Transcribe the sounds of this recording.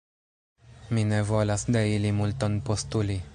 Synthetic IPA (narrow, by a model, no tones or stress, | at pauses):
minevo̞lasd̪eilimult̪onpost̪uli